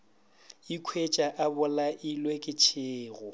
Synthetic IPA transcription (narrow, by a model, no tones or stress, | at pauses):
ikʰwet͡ʃʼaʔabʊlaʔilwekʼɪt͡ʃʰɪːɣʊ